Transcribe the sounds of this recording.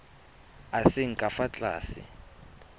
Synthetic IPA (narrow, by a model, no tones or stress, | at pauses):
asɪŋ̩kʼafat͡ɬʼa̰ːsɪ̰